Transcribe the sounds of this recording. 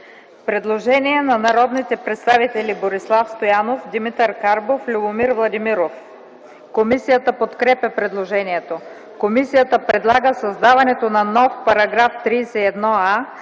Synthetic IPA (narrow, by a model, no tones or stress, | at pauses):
pɾɛd̪lˠoʒɛniɛnɐnɐɾɔd̪nit̪ɛpɾɛt̪st̪avit̪ɛliboɾislˠafst̪ojanofd̪imit̪əɾkaɾboflʲubomiɾvlˠɐd̪imiɾof | komisijət̪əpot̪kɾɛpʲəpɾɛd̪lˠoʒɛniɛt̪o | komisijət̪əpɾɛd̪lˠaɡəsɐzd̪avɐnɛt̪onɐnɔfpɐɾɐɡɾaft̪ɾiːsɛɛd̪nɔa